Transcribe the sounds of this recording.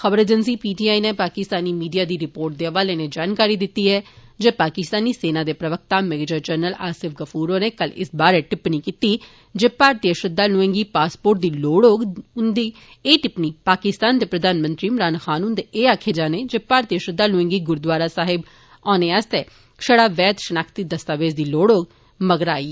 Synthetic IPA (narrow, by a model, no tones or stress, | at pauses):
xəʋəɾeːd͡ʒənsiːpiːʈiːaːineːpaːkɪst̪aːniːmiːɖijaːd̪iːɾɪpoːɾʈ̚d̪eːəʋaːleːneːd͡ʒaːnkaːɾiːd̪ɪt̪ːiːɦɛːd͡ʒeːpaːkɪst̪aːniːseːnaːd̪eːpɾəʋək̚t̪aːmɛːɡeːd͡ʒəɾd͡ʒəːɾnəlaːsɪfɡəpʰuːɾoːneːkəlɪ̰sbaːɾeːʈɪpniːkiːt̪iː | d͡ʒeːpaːɾt̪ijəʃɾɪd̪ːaːlʊẽŋɡiːpaːspoːɾʈ̚d̪iːloːɽoːɡʊnd̪iː | eːʈɪpniːpaːkɪst̪aːnd̪eːpɾəd̪aːnmə̃nt̪ɾiːmɾaːnxaːnuːnd̪eʔeːaːkʰeːd͡ʒaːneːd͡ʒeːpaːɾt̪iəʃɾɪd̪ːaːlʊɪ̃ŋɡiːɡʊɾd̪ʋaːɾaːsaːɦɪb | ɔ̃ːneːəst̪eː | ʃəɽaːʋɛːt̪ʃənaːkʰt̪iːd̪əst̪aːʋeːd͡ʒd̪iːloːɽoːɡ | məɡɾaːiː